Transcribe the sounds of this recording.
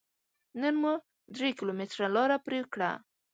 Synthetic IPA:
nənmu | d̪ɾekɪlomɪt̪ɾalɑɾapɾekɽa̰

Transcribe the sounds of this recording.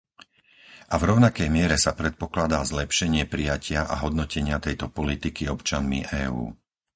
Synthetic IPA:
ʔavɾɔʊnakɛjmɪɛɾɛsapɾɛt̪̚pɔklad̪aːzlɛpʃɛɲɪɛpɾijacʰɪaʔa̰ɦɔd̪nɔcɛɲɪat̪ɛjt̪ɔpɔlit̪ikiɔpt͡ʃanmḭʔɛːṵː

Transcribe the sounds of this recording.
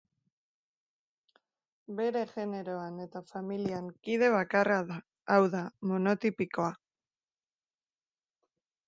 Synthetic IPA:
be̞ɾe̞ʝe̞ne̞ɾo̞ane̞t̪afamiliaŋkiðe̞β̞akaraðaː | wðamo̞no̞t̪ipiko̞a

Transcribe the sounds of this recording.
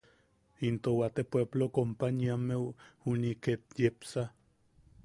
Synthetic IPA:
int̪owat̪epweblokompaniamewhuniket̪jepsa

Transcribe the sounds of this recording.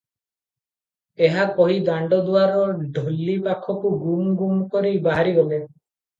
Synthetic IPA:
eɦakɔɦid̪aɳɖɔd̪uaɾɔɖʱɔlːipakʰɔkuɡumɔɡumkɔɾibaɦaɾiɡɔle

